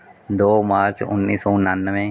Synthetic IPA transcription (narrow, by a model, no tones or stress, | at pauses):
d̪oːmaːɾt͡ʃʊ̰nːiːsoːʊnːaːnːəʋẽː